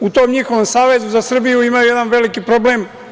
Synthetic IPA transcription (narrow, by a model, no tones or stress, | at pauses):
ut̪o̞ːmɲixo̞ʋomsaːʋe̞zuzasr̩bijuimajujed̪anʋe̞likipɾo̞bleːm